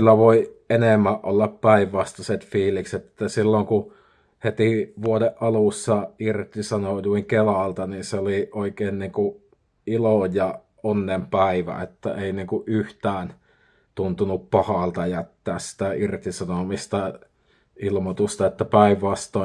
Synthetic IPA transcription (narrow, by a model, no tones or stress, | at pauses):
ylːæʋoienemːæʔʔolːɑppæiʋʋɑst̪ɑset̪fiːlikset̪ĕ̥t̪ːæsilːoŋku | het̪iʋuodeʔʔɑlusːɑirt̪isɑnojuiŋkelɑˑlt̪ɑninseoliʔoikeːnniːŋku | ilojjɑ | onːempæiʋæ̰ḛt̪ːæ̰ʔeˑiniːŋkuʔʔyht̪æːn | t̪unt̪unuppɑhɑˑlt̪ɑjæt̪ːæːssi̥t̪æirt̪isɑnomist̪ɑ | ilmot̪ust̪ɑet̪ːæpæiʋʋɑst̪oˑ